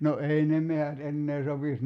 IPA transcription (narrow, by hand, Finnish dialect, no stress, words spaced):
no ei ne mehæt enːeː sopis